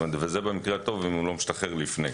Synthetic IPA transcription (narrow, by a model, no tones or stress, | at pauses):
ed̪vezebemikʁeat̪o̞vimulo̞miʃt̪aχeʁlifne